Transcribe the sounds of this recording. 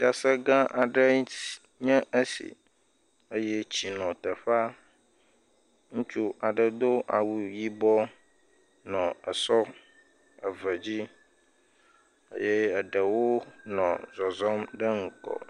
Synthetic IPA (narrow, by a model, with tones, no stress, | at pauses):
da˨sə˦ɡã˦ʔa˨ɖə˦ | ɲɛ̃˦ʔə˦sḭ˨ | ə˦jɛ˦t͡ɕi˨nɔ̃˨t̪ə˨ɸa˦ | ŋũ˦t͡ʃu˦a˨ɖə˨d̪o˦ʔa̰˨wu˨ji˦bɔ˦ | nɔ̃˨ə˨sɔ˦ | ə˨və˨d͡ʑi˦ | ə̰˦je˦ə˨ɖə˨wo˦nɔ̰̃˨zɔ˨zɔ˦mɖə˦ŋ̩˨kɔ̰˨